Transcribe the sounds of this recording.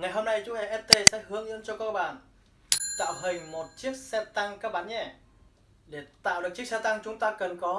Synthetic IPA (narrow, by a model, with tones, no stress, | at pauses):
ŋa˨˩jɦo˧mna˧jt͡ɕʊ˨˧˦ʔɛ˧˩ʔɛ˦˥t̚t̪e˧sɛ̰˧˥hɨ˨˦əŋʔḭ˧˥ənt͡ɕɔ˧kɔ˧k̚ɓaː˨˩n | t̪a̰ː˧˨wɦï˨˩ŋ̟mo˨˩t̚t͡ɕi˦˥ək̚sɛ˧t̪a˧ŋkaː˦˥k̚ɓaː˨˦nɲɛ˧˩ | ɗe˧˩t̪a̰ː˧˨wɗk̚t͡ɕi˦˥əksɛ˧t̪a˧ŋt͡ɕʊ˨˦ŋ͡mt̪aː˧kə˨˩nkɔ˨˦